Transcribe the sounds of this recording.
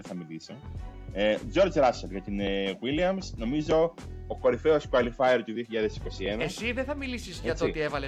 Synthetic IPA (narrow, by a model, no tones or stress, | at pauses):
eθɐmiliseed͡ʒo̞ɾd͡ʒɾɐsɐlʝɐt̪ineɣwiliɐmsno̞mizo̞ːko̞ɾife̞oskuɐlifɐjeɾt̪uðioçiʎɐðe̞si̥ko̞sienɐesiðeθɐmilisizʝɐt̪oot̪ievɐle